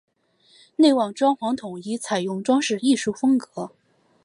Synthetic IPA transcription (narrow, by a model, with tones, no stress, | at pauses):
ne˥˩ɪwɑ˥˩ŋʈ͡ʂwɑ˥ŋxwɑ˧˥ŋt̪ʰʊ˨˩ŋi˥t͡sʰa˨˩ɪjʊ˥˩ŋʈ͡ʂwɑ˥ŋʂɻ̩˥˧i˥˧ʂu˥˩fɤ˥ŋkɤ˧˥